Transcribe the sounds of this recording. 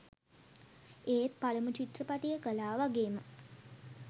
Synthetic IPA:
eːt̪̚paləmut͡ʃit̪rəpat̪ijəkəlaːʋaɡeːmə

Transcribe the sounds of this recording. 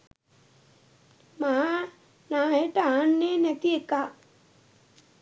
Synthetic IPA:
maɦa | naːɦeʈəaːnːenɛt̪ieka

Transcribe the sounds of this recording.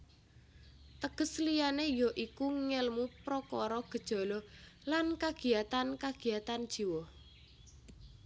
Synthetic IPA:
t̪əɡ̥əslijanejɔʔikuŋɛlmupɾɔkɔɾɔɡ̥ə̤d̥ʒ̥ɔ̤lɔlankaɡ̥i̤jat̪ankaɡ̥i̤jat̪and̥ʒ̥i̤wɔh

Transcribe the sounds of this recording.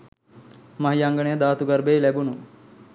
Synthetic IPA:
maɦijaŋɡənejəd̪aːt̪uɡɐrbeːlæbunu

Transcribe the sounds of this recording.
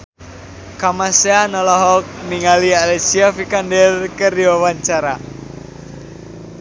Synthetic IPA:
kamaseanɔlɔɦɔk̚miŋalialɛsiafikandɛlkərjɔwaɲt͡ʃaɾa

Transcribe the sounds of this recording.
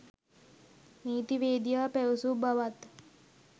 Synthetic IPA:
niːt̪iʋeːd̪ijaːpæʋusubaʋat̪

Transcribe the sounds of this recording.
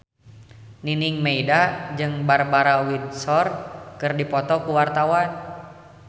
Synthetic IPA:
niniŋmeidad͡ʒɨŋbarbaɾawit̪̚sɔrkɨrdipɔt̪ɔkuwart̪awan

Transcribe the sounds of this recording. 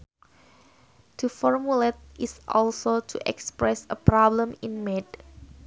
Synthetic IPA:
tʰufɔɹmulet̪̚ʔisʔɔlsotʰuʔɛ̰kspɹɛsəpɾɔblə̃mĩnmɛd̚

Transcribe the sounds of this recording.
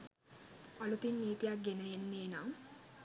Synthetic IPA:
alut̪inːiːt̪ijak̚ɡenəjenːeːnam

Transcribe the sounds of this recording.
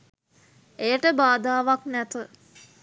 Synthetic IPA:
ejəʈəbaːd̪aːʋaknæt̪ə

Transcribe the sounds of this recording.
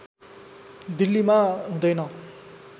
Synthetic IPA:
d̪ilːimaɦũd̪ʌjnʌ

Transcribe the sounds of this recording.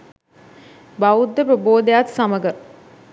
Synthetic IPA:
baud̪ːəpɾəboːd̪ejat̪sɐməɡə

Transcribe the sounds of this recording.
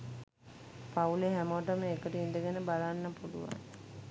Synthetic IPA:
pauleɦæməʋəʈ̬əməekəʈəind̪əɡenəbalanːəpulṵʋa̰n

